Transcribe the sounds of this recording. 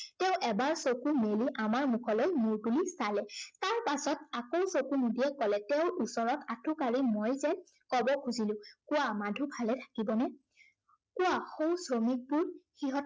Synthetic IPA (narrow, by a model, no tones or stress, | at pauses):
tɛʊ̃ʔɛbaɹsokumeliʔamaɹmukʰɔlojmuɹbulisalɛtaɹpasɔtakowsokunudiɛkɔlɛtɛʊʔusɔɹɔtatʰʊkaɹimojzɛ | kɔbɔkʰuzilʊ̃kʊwamadʱubʱalɛtʰḁkibɔnɛ | kʊwaxowsɹomik̚bʊɹxiɦɔ